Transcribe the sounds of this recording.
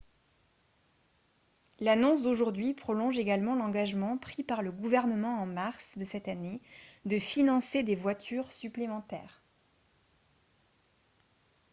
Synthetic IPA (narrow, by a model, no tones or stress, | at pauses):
lanɔ̃s̬d̪oʒuʁd̪ɥipχɔlɔ̃ʒeɡalmɑ̃lɑ̃ɡaʒmɑ̃pχipaʁləɡuvɛʁnəmɑ̃ɑ̃maʁsd̪əsɛt̪aned̪əfinɑ̃sed̪evwat̪ʰyʁsyplemɑ̃t̪ɛ̰ːʁ